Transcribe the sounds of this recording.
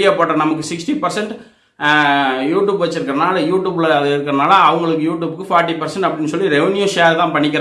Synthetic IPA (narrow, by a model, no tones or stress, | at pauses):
ɪjaːpoːʈːɐ̃nɐmɐkːɯsɪksʈipɐɾsɛɳʈ | juːʈjuːbʋɐt͡ʃːɪɾɯkːɐɾɐnaːlɐjuːʈːjuːbɪlɐɪɾɯkːɐɾɐnaːlɐːʋɐŋɡɐɭɯkːɯjuːʈjuːbɯkːɯfaːɾʈːipɐɾsɛɳʈɐpːɐɽɪnːɯsɔlːiɾɛʋɛnjuʃeːɾt̪ãːpɐɳːɪk̬ːɪɾẽ